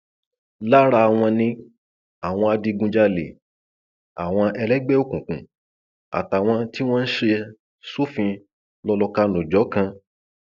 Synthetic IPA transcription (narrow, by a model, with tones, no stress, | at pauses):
la˦ɾa˧w̃ɔ̃˧nĩ˧ | a˨w̃ɔ̃˧a˧di˧ɡũ˧d͡ʒa˧lḛ˨ | a˨w̃ɔ̃˧ɛ˧lɛ˦ɡ͡bɛ˦o˦˨kũ˨kũ˨ | a̰˨ta˨w̃ɔ̃˧ti˦w̃ɔ̃˦n̩˦ʃe˧ | su˦fĩ˧ | lɔ˧lɔ˧ka˧nũ˨d͡ʒɔ˨˦kã˧